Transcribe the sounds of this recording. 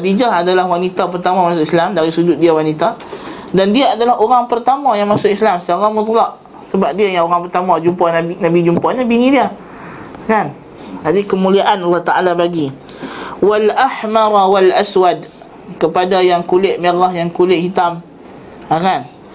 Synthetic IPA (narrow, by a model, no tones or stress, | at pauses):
did͡ʒaɦadalahwanit̪apərt̪amãmasʊkislamdaɾisud͡ʒʊt̪̚diawanit̪a | dandiaadalaɦoɾaŋpərt̪amajaŋmasʊʔislamsəaɾamʊt̪̬laʔ | səbap̚diajaŋoɾaŋpərt̪amãd͡ʒumpahnanabid͡ʒumpahɲabiŋĩdia | kan | adikəmũliaʔanalːɑht̪aʔalabaɡi | walaħmaɾwalaswad | kəpadajaŋkulɪʔmiɾahjaŋkulɪʔhit̪am | akan